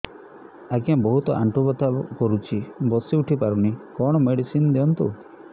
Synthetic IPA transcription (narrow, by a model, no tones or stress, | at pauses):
aɡiãbɔɦut̪ɔʔa̰ɳʈubɔt̪akɔɾut͡ʃʰibɔsiuʈʰipaɾunikɔɽ̃ɔmeɽisinɔd̪eɔnt̪ṵ